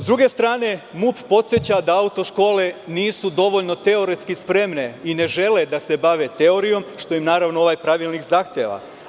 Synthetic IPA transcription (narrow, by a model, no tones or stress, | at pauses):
zd̪ɾuɡe̞st̪ɾaːne̞muppo̞t̪sjet͡ɕad̪aaut̪o̞ʃko̞ːle̞niːsud̪o̞ʋo̞ʎno̞t̪e̞o̞ɾet̪skispɾe̞mne̞ine̞ʒe̞le̞d̪ase̞baʋet̪e̞o̞ɾijo̞mʃt̪o̞imnaːɾaʋnooʋaːjpɾaʋiːlnikzaxt̪jeːʋa̰